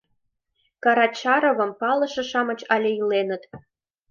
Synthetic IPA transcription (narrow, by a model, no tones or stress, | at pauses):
kɑɾɑt͡ɕɑɾovə̆mpɑlɤ̆ʃɤ̆ʃɑmɤ̆t͡ɕɑlʲeilenə̆t̪